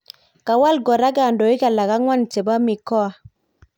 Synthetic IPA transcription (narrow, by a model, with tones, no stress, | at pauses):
ka˨wa˦˨lɡɔ˨ɾa˦ɡa˨ndo˨i˦ka˨la˨ɡa˦ŋwa˦nte˨ba˦mi˨kɔ˦a˨